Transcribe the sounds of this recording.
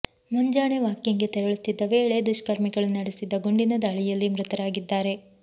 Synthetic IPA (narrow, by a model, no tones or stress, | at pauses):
muɲd͡ʒaːɳeʋaːkjiŋɡe̞t̪ɛɾɐɭut̪ːid̪ːɐʋeːɭe̞d̪uʂkɐɾmiɡɐɭunɐɽisid̪ːɐɡoɳɖinɐd̪ɐːɭijɐlːimɾɨt̪ɐɾaːɡid̪ːaːɾe̞